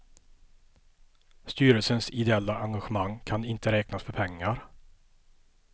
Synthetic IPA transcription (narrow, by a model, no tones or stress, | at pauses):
st̪yːɾəlsənsɪd̪ɛɛlːaʔaŋɡaɧəmaŋkʰanɪnt̪əɾɛːknasfœɾpʰɛŋːaɾ